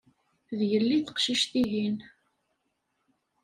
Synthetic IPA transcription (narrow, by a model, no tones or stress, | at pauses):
ðjəlːiθə̥qʃiʃt̪iɦin